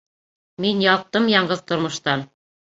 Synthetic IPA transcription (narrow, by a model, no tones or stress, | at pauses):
minjɑt̪ːɤmjɑɴɢɤðt̪ŏɾmŏʃt̪ɑn